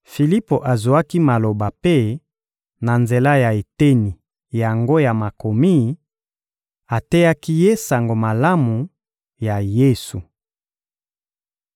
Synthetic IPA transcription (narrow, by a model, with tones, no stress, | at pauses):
fi˨li˦po˨ʔa˨zu˨a˦ki˦ma˨lo˨ba˨pe˦ | na˨nze˨la˦ja˨e˨te˦ni˨ | ja˨ŋɡo˦ja˨ma˨ko˨mi˦ | a˨te˦ja˦ki˦je˦sa˨ŋɡo˨ma˨la˦mu˨ | ja˨je˦su˨